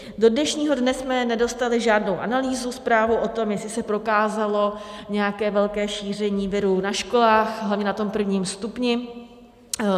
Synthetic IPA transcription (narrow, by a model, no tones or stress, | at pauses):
do̞dnɛʃɲiːɦo̞dnɛsmɛnɛdo̞st̪alɪʒaːdnowʔanaliːzuspɾaːvowʔo̞t̪o̞mjɛsɪsɛpɾo̞kaːzalo̞ɲɛjakɛːvɛlkɛːʃiːr̝ɛɲiːvɪɾunaʃko̞laːxɦlavɲɛnat̪o̞mpr̩vɲiːmst̪upɲɪ